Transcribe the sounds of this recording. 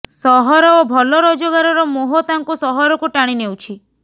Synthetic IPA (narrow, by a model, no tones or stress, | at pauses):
sɔɦɔɾɔobʱɔlɔɾɔd͡ʒɔɡaɾɔɾɔmoɦɔt̪aŋkusɔɦɔɾɔkuʈaɽ̃inewt͡ʃʰi